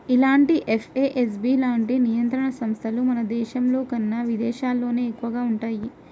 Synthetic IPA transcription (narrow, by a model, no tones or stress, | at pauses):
ilaːɳʈiʔefʰeːʔes̬biːlaːɳʈinijɐnt̪ɾɐɳɐsɐmst̪ʰɐlumɐnɐd̪ɛːʃɐmlo̞ːkɐnːɐʋid̪ɛːʃaːlːo̞ːne̞ːkːuʋɐɡaːuɳʈaːji